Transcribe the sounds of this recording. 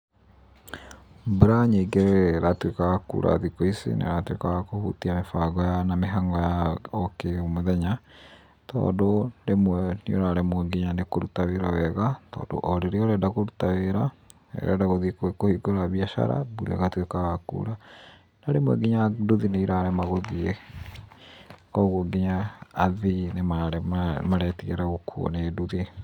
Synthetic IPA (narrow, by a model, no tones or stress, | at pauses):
buɾaɲeɡeɾɾatwekaɣakṵːɾa̰ðikoisḛnḛɾatwḛkaɣakohṵtiamefaːɡɔjanameɦaŋɡɔjaokeomoðɛɲa | tɔ̰ːdoɾemwnioɾaɾɛmwɛɡiɲanekoɾutaweɾawɛɣatɔ̰ːdo̰ʔɔɾeɾeɔɾɛdaɣoɾutaweɾa | ɛ̰ɾɛ̰daɣoðiekwekohiɡoɾaβiaʃa̰ɾa̰buɾɛ̰ɣatwekaɣakṵɾa | naɾemwɛ̰ɡeɲaduðineiɾaɾɛmaɣoðie | kɔɣoɡeɲaːðinemaɾɛmaɾɛːtiɣɛɾaɣokʰuɔ̰neduðe